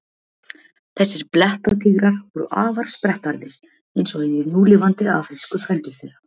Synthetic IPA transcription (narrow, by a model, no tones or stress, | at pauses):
θɛsːɪɾ̥plɛht̪at̪ʰiːɣɾaɾ̥vɔɾʏ̰ʔaːvaɾ̥spɾɛht̪aɾðɪɾ̥ | ejnsɔɪnɪnuːlɪvant̪ɪafɾɪlskʏfɾɛnt̪ʏɾfɪɾa